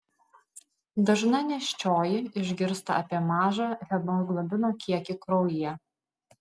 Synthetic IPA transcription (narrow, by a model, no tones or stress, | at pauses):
d̪ɐʒnɐnʲɛʃʲt͡ʃʲoːjɪɪʒʲɡʲɪɾst̪ɐɐpʲiɛmɑːʒɑɣʲɛboɡlˠɐbʲɪnoːkʲiɛkʲɪkɾoːʊjɪjɛ